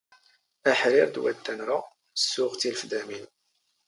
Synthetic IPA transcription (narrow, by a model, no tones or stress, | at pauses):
æħɾiɾd̪wæ̰d̪ːænɾˤa | sːʊʁt͡s̪ilfd̪æmin